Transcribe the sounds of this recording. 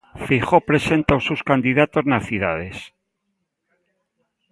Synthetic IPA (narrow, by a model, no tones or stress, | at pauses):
fixopɾesent̪awsuskand̪iðat̪oznaθiðað̞es